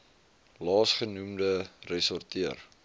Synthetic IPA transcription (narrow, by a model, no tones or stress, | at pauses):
lɑːsχənumdərɛsɔrtiər